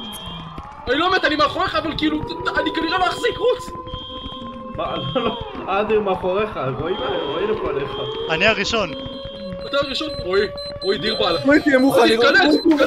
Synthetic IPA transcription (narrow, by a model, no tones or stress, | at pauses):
anilomeet̪animaχoʁeχaːvalkiiluanikaniʁalojaχzikʁut͡s | mazload̪iʁmeaχoʁeχaʁoimaleʁoilopoaleχaaniaʁiʃo̞n | at̪aʁiʃonʁoi | ʁoid̪iʁbalaoikiemuχakale